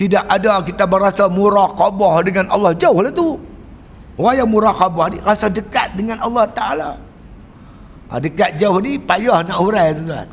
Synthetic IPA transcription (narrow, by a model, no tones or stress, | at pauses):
t̪idakadakit̪abəɾasamuɾakɔbɔhdəŋanɑ̰lːɑhd͡ʒauhlat̪u | wajamuɾakabɔhnirasadəkat̪̚dəŋanɑlːɑht̪aʔala | dəkat̪̚d͡ʒauhnipajɔhnaʔuɾat̪ut̪ua̰